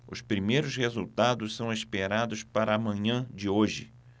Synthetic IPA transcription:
ʊspɾimejɾʊshezuwt̪ad̪ʊssɐ̃w̃espeɾad̪ʊspaɾɐːmɐ̃ɲɐ̃d͡ʒɪoʒɪ̰

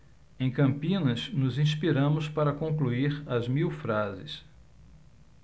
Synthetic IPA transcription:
ẽj̃kɐ̃mpĩnɐsnʊzĩspiɾɐ̃mʊspaɾɐkõkluiɾɐzmiwfɾazɪs

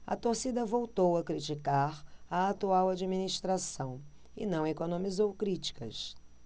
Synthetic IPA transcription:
ɐ̰t̪oɾsid̪ɐvowt̪owɐkɾit͡ʃikaɾɐat̪uawad͡ʒiminiʃt̪ɾasɐ̃w̃ | ɪnɐ̃w̃ekonõmizowkɾit͡ʃi̥kɐ̰s

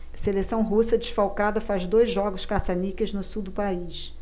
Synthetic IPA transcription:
selesɐ̃w̃ɦusɐd͡ʒiʃfawkad̪ɐfazd̪ojzʒɔɡʊʃkasanikɪznʊsuwd̪ʊpaiʃ

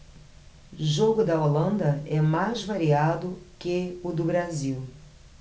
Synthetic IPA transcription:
ʒoɡʊd̪ɐolɐ̃nd̪ɐɛmajzvaɾiad̪ʊkeʊd̪ʊbɾaziw

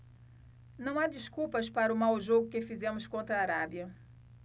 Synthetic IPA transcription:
nɐ̃w̃ad͡ʒiskuwpɐspaɾɐʊmawʒoɡʊkɪfizẽmʊskõnt̪ɾɐːɾabiɐ

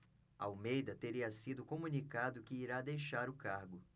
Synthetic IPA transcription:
ɐawmejd̪ɐt̪eɾiɐsid̪ʊkomũnikad̪ʊkɪːɾad̪ejʃaɾʊkaɾɡʊ

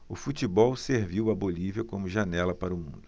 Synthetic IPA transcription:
ʊfut͡ʃibɔwseɾviwɐboliviɐkõmʊʒanɛlɐpaɾʊmũnd̪ʊ

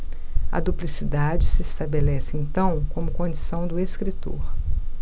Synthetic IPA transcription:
ɐ̰d̪uplisid̪ad͡ʒɪsɪest̪abelɛsɪẽnt̪ɐ̃w̃kõmʊkõd͡ʒisɐ̃w̃d̪ʊeskɾit̪o̰ɾ

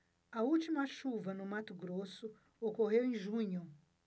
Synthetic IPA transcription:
ɐuwt͡ʃimɐʃuvɐnʊmat̪ʊɡɾosʊ | okoɦewẽj̃ʒũɲʊ

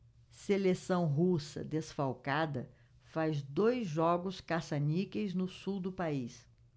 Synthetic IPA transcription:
selesɐ̃w̃ɦusɐ̰d̪esfawkad̪ɐ | fazd̪ojzʒɔɡʊskasanikejznʊsuwd̪ʊpais

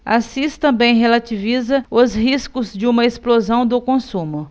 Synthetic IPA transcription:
asist̪ɐ̃bẽj̃ɦelat͡ʃivizɐʊzhiskʊzd͡ʒɪũmɐesplozɐ̃w̃d̪ʊkõsũmʊ

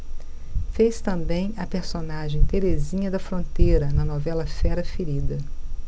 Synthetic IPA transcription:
fejst̪ɐ̃mbẽj̃ɐpeɾsonaʒẽj̃t̪eɾezĩɲɐd̪ɐfɾõnt̪ejɾɐnɐnɔvɛlɐfɛɾɐfeɾid̪ɐ

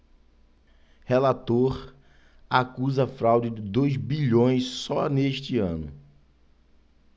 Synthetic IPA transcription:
helat̪oɾ | akuzɐfɾawd͡ʒɪd͡ʒɪd̪ojzbiʎõj̃ssɔneʃt͡ʃɪɐ̃nʊ̰

